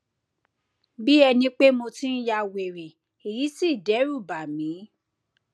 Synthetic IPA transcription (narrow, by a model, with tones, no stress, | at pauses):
bi˦ɛ˧nĩ˧˦k͡pe˦mo˧tĩ˦n̩˦ja˧˨we˨ɾe˨ | e˨ji˨˦si˦˨dɛ˨˦ɾu˦˨ba˨mĩ˨˦